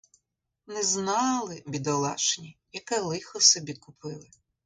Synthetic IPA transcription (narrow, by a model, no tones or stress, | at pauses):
nɛznɑlˠɪbʲid̪ɐlˠɑʃnʲijɐkɛlˠɪxɔsɛbʲid̪̚kʊpɪlˠɪ